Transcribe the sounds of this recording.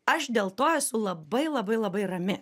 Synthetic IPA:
ɐʃd̪ʲeːlˠt̪oːɛsʊlˠɐbɐɪlˠɐbɐɪlˠɐbɐɪɾɐmʲɪ

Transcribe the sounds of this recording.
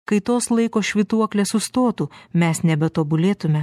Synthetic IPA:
kɐɪt̪oːslˠɐɪkoːʃʲʋʲit̪uɔklʲeːssʊst̪oːt̪uːmʲɛsnʲɛbʲɛt̪oːbʊlʲeːt̪ʊmʲɛ

